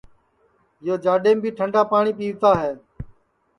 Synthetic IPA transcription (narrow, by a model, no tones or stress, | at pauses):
ɪjoːd͡ʒaːɗeːmbʱiːʈʰəɳɖaːpaːɳ̃iːpiːʋt̪aːɦeː